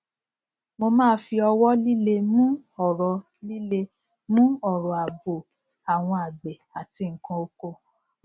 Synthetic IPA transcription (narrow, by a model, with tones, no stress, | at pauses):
mo˧mãː˦fi˧ɔ˧wɔ˦li˦le˦mũ˦ɔ˨ɾɔ˨ | li˦le˧ | mũ˦ɔ˦˨ɾɔ˨a˨bo˨ | a˨w̃ɔ̃˧a˨ɡ͡bɛ˨a˨ti˧ŋ̩˨kã˧o˧ko˦